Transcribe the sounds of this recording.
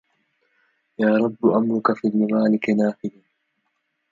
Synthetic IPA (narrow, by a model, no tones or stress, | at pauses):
jaːɾˤɑbːʊʔamɾʊkafiːlmɪmaːlɪkɪnaːfɪla